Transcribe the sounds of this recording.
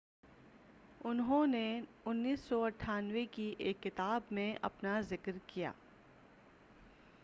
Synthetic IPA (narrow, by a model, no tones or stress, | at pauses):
ʊnɦõne | ʊnːiːsːɔɐʈʰːaːnwekiʔeːkːɪt̪aːbmẽʔɐ̰pnazɪkɾkija̰ː